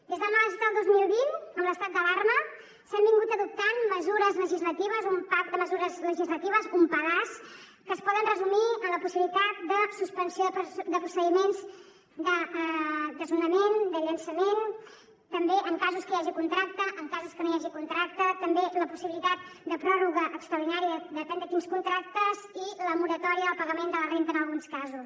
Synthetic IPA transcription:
d̪ezðəlmasit̪əlˠd̪ozmilˠβinəmləst̪at̪̚d̪əlarmə | sambiŋɡut̪əðup̚t̪anməzuɾəzləʒizlət̪iβ̞əzumpad̪əməzuɾəzləʒizlət̪iβ̞əzumpəlas | kəːspɔðənrəzumiəmləpusiβilit̪at̪̚d̪əsuspənsioðəpd̪əpɾusəðimenz | d̪ə | d̪əzunəmend̪əʎənsəmen | t̪əmbeʔəŋkazuskəjaʒikunt̪ɾak̚t̪əʔəŋkazuskənojaʒikunt̪ɾak̚t̪ət̪əmbeləpusiβilit̪at̪̚d̪əpɾɔruɣəʔəkst̪ɾəwðinaɾiəðət̪ənt̪ət̪inskunt̪ɾak̚t̪əziləmuɾət̪ɔɾiəəlˠpəɣəmend̪ələrent̪ənəlˠɣunskazus

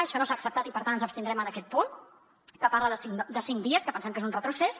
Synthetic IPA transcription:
əʃɔnosaːksəp̚t̪at̪ipəɾt̪anənzəpst̪ind̪ɾɛmənəkɛt̪̚pun | kəpaɾləðəsiŋd̪əsiŋd̪iəskəpənsɛmkezunrət̪ɾuses

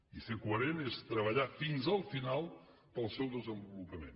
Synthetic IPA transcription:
isekwəɾenest̪ɾəβɐʎafinzəlˠfinalˠ | pəlˠsɛwðəzə̃mbulupəmḛ̃n

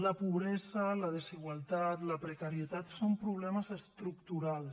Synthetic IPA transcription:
ləpuβɾɛzələðeziɣwalˠt̪at̪ləpɾekaɾiet̪at̪sompɾuβ̞lɛməzest̪ɾukt̪uɾal

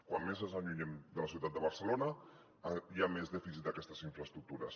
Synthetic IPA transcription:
kwamːezəzəɲuɲɛmd̪ələsiuwt̪at̪d̪əβəɾsəlonə | jamezðɛfisit̪̚əkɛst̪əziɱfɾəst̪ɾuk̚t̪uɾə̰s

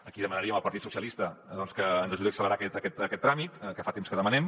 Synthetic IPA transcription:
əkiðəmənəɾiəməlˠpəɾt̪it̪susiəlist̪əd̪ɔnskəːnzəʒuðeəksələɾakɛt̪əkɛt̪əkɛt̪ːɾamit̪kəfat̪emskəðəmənɛm

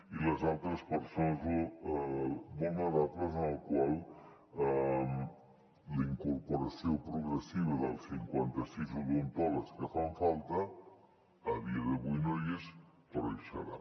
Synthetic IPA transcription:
iləzalˠt̪ɾəspəɾsonazo | molnaðatləzalkwalˠ | ləiŋkoɾpoɾasjopɾuɣɾesiβ̞ɐðəlˠsiŋkwant̪ɐsizulunt̪ɔlaɾskəfaɱfalˠt̪aː | βiaðeβuinojes | p̪oɾajʃaɾa

